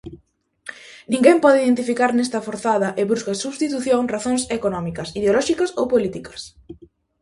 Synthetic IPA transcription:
nĩŋɡempɔðɪiðent̪ifikaɾnɛst̪ɐfoɾθað̞ɐʔeβɾuskɐsuβst̪it̪uθjoŋraθoŋsekonɔmikɐsið̞eolɔʃikɐsowpolit̪ikɐ̥s

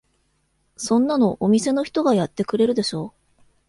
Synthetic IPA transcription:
sõ̞nːano̞ʔomʲise̞no̞çi̥t̪o̞ɡajat̪ːe̞kɯ̟ɾe̞ɾɯ̟d̪e̞ɕo̞ː

